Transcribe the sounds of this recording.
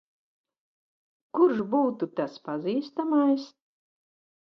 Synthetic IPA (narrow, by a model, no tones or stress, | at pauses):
kuɾʃbuːt̪ut̪aspaziːst̪amajs